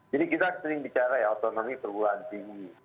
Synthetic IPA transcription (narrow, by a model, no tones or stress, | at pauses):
d͡ʒadikit̪asəɾɪŋbit͡ʃaɾajot̪onomipərbuaant̪iŋɡi